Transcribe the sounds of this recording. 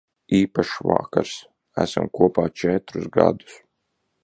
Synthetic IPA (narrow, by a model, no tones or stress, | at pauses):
iːpaʃva̰kaɾs | æsamkuɔpaːt͡ʃɛt̪ɾuzɡa̰d̪u̥s